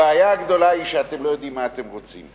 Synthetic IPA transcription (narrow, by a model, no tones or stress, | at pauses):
eajaːɡd̪o̞laiʃeat̪emlo̞jo̞d̪imːaːt̪emʁot͡sḭm